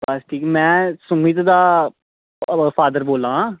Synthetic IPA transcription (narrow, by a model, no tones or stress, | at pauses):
bəsʈʰiːkmɛ̃ːsʊmit̪d̪aː | fʰaːd̪əɾboːlãː